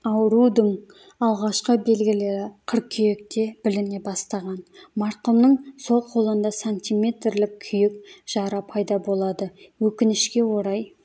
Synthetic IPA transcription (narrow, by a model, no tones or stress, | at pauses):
ɑwɾud̪əɴ | ɑlˠʁɑʃqəbe̞lɡʲɪle̞ɾɪqʰəɾq̚kʲʰʏjek̚t̪e̞b̥ɪlɪne̞bɑst̪ɑʁɑnmɑɾqəmnəɴso̞lˠqʰo̞lˠənd̪ɑsanʲt̪ʲijmʲe̞t̪rlɪkkʲʰʏjɪkʒ̥ɑɾɑpʰɑjd̪ɑbo̞lˠɑd̪əwɵkʲɪnɪʃkʲe̞wo̞ɾɑj